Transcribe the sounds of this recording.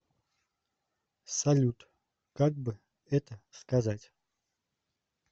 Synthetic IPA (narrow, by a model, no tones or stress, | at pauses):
sɐlʲut̪ | kaɡ̚bɨ | ɛt̪əskazatʲ